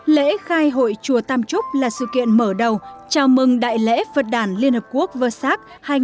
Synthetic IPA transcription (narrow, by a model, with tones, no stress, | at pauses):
lḛ˧˥xaː˧jɦo̰˧˨jt͡ɕu˨˧˩ət̪aː˧mt͡ɕʊ˦˥p̚laː˨˩sɨ̰˧˨kḭ˧˨ənməː˧˩ɗə˨˩wt͡ɕaː˧˩wmɨ˧ŋɗa̰ː˧˨jlḛ˧˥və˨˩t̚ɗaː˧˩nli˧ənhəː˨˩p̚ku˦˥ək̚vəː˧˩saː˦˥k̚ | haː˧j